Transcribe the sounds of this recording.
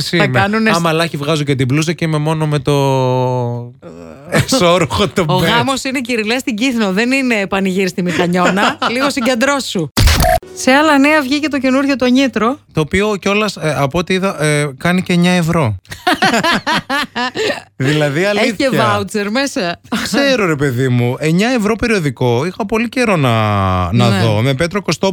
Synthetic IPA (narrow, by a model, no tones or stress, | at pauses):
siɐmɐnuneɐmɐlɐçivɣɐzucet̪̬iblus̬ɐceime̞mo̞nome̞t̪o̞ | esoɾuxot̪ooɣɐmo̞sineciɾilest̪iɟiθno̞ðe̞nine̞ːpɐniʝiɾst̪imixɐɲo̞nɐliɣo̞siɲɟe̞nd̪ɾo̞su | se̞ɐlɐneɐvʝicet̪o̞ce̞nuɾʝo̞t̪o̞ɲit̪ɾo̞t̪o̞ːpio̞co̞lɐsɐpoot̪iiðɐʔkɐniceɲɐe̞vɾo̞ | ðilɐðiɐlieɐvɐut͡seɾmesɐkse̞ɾo̞ɾe̞pe̞ðimue̞ɲɐe̞vɾo̞pe̞ɾio̞ðiko̞ixɐpo̞lice̞ɾo̞nɐnɐðo̞me̞pet̪ɾo̞ko̞st̪o